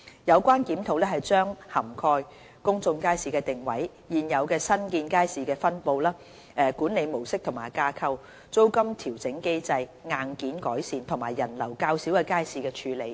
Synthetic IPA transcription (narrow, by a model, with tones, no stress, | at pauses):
jɐ˨˧wkʷaː˥nkiː˨˥mt̪ʰo˨˩wlɛː˥ɦɐ˨jt͡ʃœː˥ŋhɐ˨˩mkʰɔː˧j | kʊ˥ŋt͡sʊ˧ŋkaː˥jsiː˨˧kɛː˧t̪ɪ˨ŋwɐ˨˥j | jiː˨njɐ˨˧wkɛː˧sɐ˥nkiː˧nkaː˥jsiː˨˧kɛː˧fɐ˥npo˨˧wlaː˥ | ɛː˨˩kuː˨˥nle˨˧jmo˨˩wsɪ˥k̚t̪ʰʊ˨˩maː˨˩jkaː˧kʰɐ˧w | t͡so˥wkɐ˥mt̪ʰiː˨˩wt͡sɪ˨˥ŋke˥jt͡sɐ˧jŋaː˨˧nkiː˨˥nkɔː˨˥jsiː˨nt̪ʰʊ˨˩ŋmaː˨˩jːɐ˨˩nlɐ˨˩wkaː˧wsiː˨˥wkɛː˧kaː˥jsiː˨˧kɛː˧t͡ʃʰyː˨˧le˨˧j